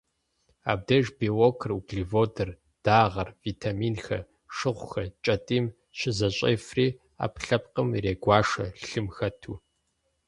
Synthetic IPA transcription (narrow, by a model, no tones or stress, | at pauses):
a̰ːb̚dɐʒbiːwoːkʰɨruɡɮivoːdɐr | d̥aːʁɐrviːtʰaːmiːnxɐ̰ | ʂɨʁʷʊxɐt͡ʃʼɐtʼiːm | ɕɪzɐɕʼḛjfriː | a̰ːpɬɐp̚qəmreːɡʷɑːʂɐɬɬɨmxɐtʰuː